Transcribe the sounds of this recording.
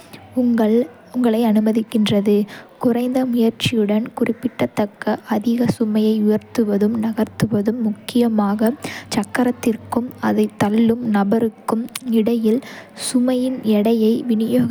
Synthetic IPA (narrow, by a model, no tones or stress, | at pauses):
ʊŋɡɐɭ | ʊŋɡɐɭɐɪɐnɯmɐðɪkːɪndrɐðɯkʊrɐɪnd̪ɐmʊjɐɾt͡ʃːɪjɯɽɐnkʊrɪpːɪʈːɐt̪ːɐkːɐʔɐðɪɣɐsʊmɐjɐɪʊjɐɾt̪ɯʋɐðɯmnɐɣɐɾt̪ɯʋɐðɯmːʊkːɪjɐmaːɣɐt͡ʃɐkːɐɾɐt̪ːɪrkɯmɐðɐɪt̪ːɐlːɯmnɐbɐɾɯkːɯmɪɽɐjɪlsʊmɐjɪnɛɽɐjɐɪʋɪnɪjoːɣ